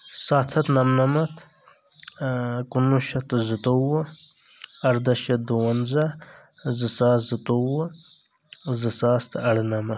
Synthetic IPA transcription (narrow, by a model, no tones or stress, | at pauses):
saːt̪ʰɐt̪nɐmnɐmɐt̪ | kunuʃɐt̪zɨt̪owə | ɐɾd̪ɐʃɐd̪uwɐnzɐ | zɨsaːzɨt̪owə | zɨsaːst̪ɐɽnɐmɐ